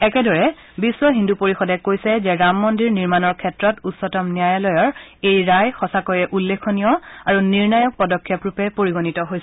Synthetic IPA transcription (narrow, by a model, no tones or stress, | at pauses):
ɛkɛdɔɹɛ | biswɔɦindupoɹixɔdɛkojsɛzɛɹamːɔndiɹniɹmanɔɹkʰɛtɹɔtutsɔtɔmnijajalɔjɔɹejɹajxɔsakɔjɛʔulːekʰonijɔaɹuniɹnajɔk̚pɔdɔkʰːjɔpɹupɛpoɹiɡonitɔɦojs